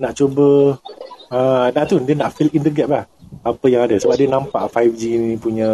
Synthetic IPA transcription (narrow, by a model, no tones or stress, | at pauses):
naʔt͡ʃobə | ə̃naʔt̪udiənaʔfilind̪əɡɛʔ̪̚lah | apəjaŋadasəbap̚diənãmpa̰ʔfajfd͡ʒinĩpuɲə̃